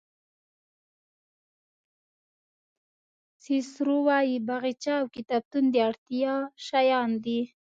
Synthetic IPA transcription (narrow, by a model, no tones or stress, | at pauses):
sisɾuwɑjibaɣit͡ʃaːwkit̪ɑb̚t̪und̪eaɽt̪ijɑʃajɑnd̪i